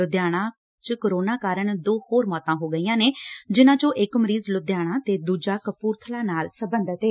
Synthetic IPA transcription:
ʊd̪jaːɽ̃ãː | t͡ʃkəɾoːnaːkaːɾəɳd̪oːhoːɾmɔːt̪ãːɦoːɡəiːãːneːd͡ʒɪnãːt͡ʃõːʔɪkməɾiːzlʊd̪jaːɽ̃ãːt̪eːd̪uːd͡ʒaːkəpuːɾt̪ʰəlaːnaːlsəbənd̪ət̪ɦeː

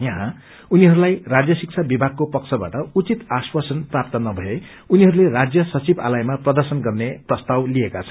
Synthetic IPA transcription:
jʌɦã | uniɦʌɾulajrad͡zjʌsik̚t͡sʰabibʱaɡ̚kopʌkt͡sʰʌba̰ʈʌut͡sit̪aswasʌnprap̚t̪ʌnʌbʱʌe | uniɦʌɾulerad͡zjʌsʌt͡siba̰lajmaprʌd̪ʌrsʌnɡʌrneprʌst̪awliekat͡sʰʌ̥n

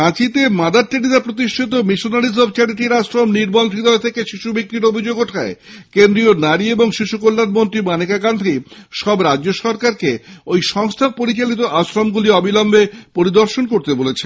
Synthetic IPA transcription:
ãt͡ɕit̪emad̪aɾ̚t̪iɽid̪apɾot̪iʃʈʰit̪omiʃonaɾizɔbt͡ɕaɽiʈiɾasɾomniɾbont̪ɾid̪ɔet̪ʰekeʃiʃubʱik̚ɾiɾobʱid͡ʑoɡoʈʰaekend̪ɾionaɾieboŋʃiʃukolːaɾmont̪ɾimanekakand̪ʱiʃɔbɾad͡ʑːoʃɔɾkaɾkeojʃɔŋst̪ʰapoɾit͡ɕalit̪̬oʔasɾomɡuliɔbilɔmbepoɾid̪oɾʃonkoɾt̪ebolet͡ɕʰe

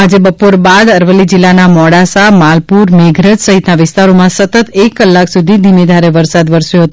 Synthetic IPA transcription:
ad͡ʒebəpoɾbad̪əɾʋəlːid͡ʒɪlːanamɔɽasamalpuɾmeɡʱɾəd͡ʒsəɦit̪naʋɪst̪aɾomãsət̪ət̪ekːəlːaksud̪ʱid̪ʱimed̪ʱaɾeʋəɾsad̪ʋəɾsjoɦət̪o

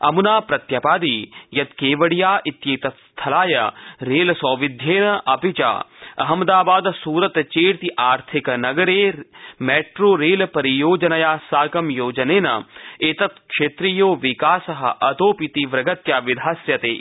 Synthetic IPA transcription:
ɐ̰munaːpɾɐt̪jɐpaːd̪ijɐd̪keːʋɐɽijaːʔit̪jeːt̪ɐt̪st̪ʰɐlaːjɐ̰ɾeːlsɔːʋɪd̪ʱjeːnɐʔɐpit͡ʃa̰ːɐ̰ɦɐmd̪aːbaːd̪suːɾɐt̪t͡ʃeːɾt̪iʔaːɾt̪ʰikɐnɐɡɐɾeːmeːʈɾoːɾeːlpɐɾijoːd͡ʒɐnɐjaːsaːkɐmjoːd͡ʒɐneːnɐ̰et̪ɐt̪kʃeːt̪ɾijoːʋɪkaːsɐɦɐ̰ʔɐt̪oːpit̪iʋɾɐɡɐt̪jaːʋɪd̪ʱaːsjɐt̪ḛː

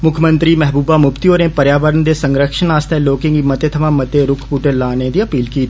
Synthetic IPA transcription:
mʊkʰjəmə̃nt̪ɾimɛɦbuːbamʊpt̪ioːɾnepɐɾjaːʋəɾənd̪esɐ̃ŋɡɾəkʃənaːst̪ʰaloːkɪ̃ŋɡimɐt̪et̪ʰɐmãmɐt̪eɾʊkʰpuʈelːaːned̪iɐpiːlkiːt̪ʰː

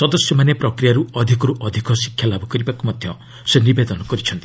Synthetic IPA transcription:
sɔd̪ɔsjɔmanepɾɔkɾijaɾuɔd̪ʱikɔɾuʔɔd̪ʱikɔsi̥kʰːjalabʱukɔɾibakumɔd̪ʱjɔ | senibed̪ɔnɔkɔɾit͡ʃʰɔnt̪i

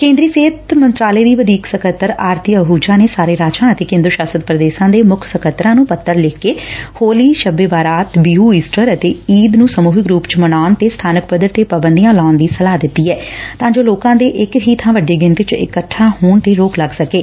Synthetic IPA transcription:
kẽːnd̪ɾiːseːt̪mənt̪ɾaːleːd̪iːʋəd̪iːksəkʰət̪ːəɾaːɾt̪iəɦuːd͡ʒaːneːsaːɾeːɾaːt͡ʃãːət̪eːkẽːnd̪ɾʃaːsət̪pɾəd̪eːʃãːd̪eːmʊkʰsəkʰət̪ːɾãːnũːpət̪ːəɾlɪkːeːhoːliːʃəbeːbaːɾaːt̪biːuːiːsʈəɾət̪eːiːd̪nũːsəmuːɦɪkɾuːpt͡ʃmənaːnt̪eːst̪ʰaːnəkpəd̪əɾt̪eːpəːbənd̪ijãːlaːnd̪iːsəlaːd̪ɪt̪ːiːɛːt̪ãːd͡ʒoːloːkãːd̪eːʔɪkɦiːt̪ʰãːʋəɖeːɡɪ̃nt̪ɪt͡ʃɪ̰kəʈʰːãːɦoːɳt̪eːɾoːkləɡsəkeː

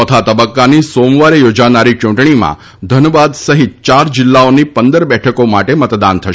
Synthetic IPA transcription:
ɔt̪ʰat̪əbəkːanisomʋaɾejod͡ʒanaɾit͡ʃũɳʈɳimã̰ | d̪ʱənʋad̪səɦit̪̚t͡ʃaɾd͡ʒɪlːaonipənd̪əɾbɛʈʰəkomaʈemət̪d̪ant̪ʰəʃ

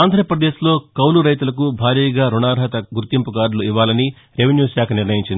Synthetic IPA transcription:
aːnd̪ʱɾɐɐpɾɐd̪eːslo̞ːkɐwluɾɐjt̪ulɐkubʱaːɾiːɡaːɾuɳaːɾɦɐt̪ɐɡuɾt̪impukaːɖluiʋːaːlɐni | ɾeʋenjuːsaːkʰɐniɾnɐjiɲt͡ʃind̪

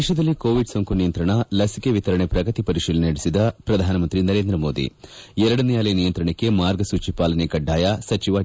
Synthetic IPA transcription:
eʃɐd̪ɐlːikoːʋiɖsoŋkunijɐnt̪ɾɐɳɐlɐsikeʋit̪ɐɾɐɳepɾɐɡɐt̪ipɐɾiʂiːlɐnɐɽisid̪ɐpɾɐd̪ʱaːnɐmɐnt̪ɾinɐɾe̞ːnd̪ɾɐmoːd̪ḭɛɾɐɽɐnijaːlɐjnijɐnt̪ɾɐɳekːe̞maːɾɡɐsuːt͡ʃipaːlɐnekɐɖːaːjɐsɐt͡ʃiʋaː

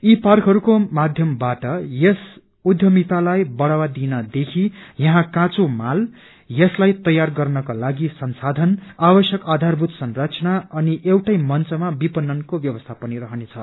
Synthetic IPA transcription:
iparkɦʌɾukomad̪ʱjʌmbaʈʌjes | ud̪ʱjʌmit̪alajbʌɽawad̪inʌd̪ekʰijʌɦãkãt͡somal | jʌslajt̪ʌjarɡʌrnʌkalaɡisʌnsad̪ʱʌnabʌsjʌkad̪ʱarbʱut̪sʌnrat͡sʌnaʌniʔewʈʌjmʌnt͡sʌmabipʌnːʌnkobjʌbʌst̪ʰapʌniɾʌɦʌnet͡sʰʌ

